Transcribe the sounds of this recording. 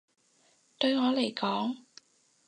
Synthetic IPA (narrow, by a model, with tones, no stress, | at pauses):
t̪ɵ˧ɥŋɔː˨˧le˨˩jkɔː˨˥ŋ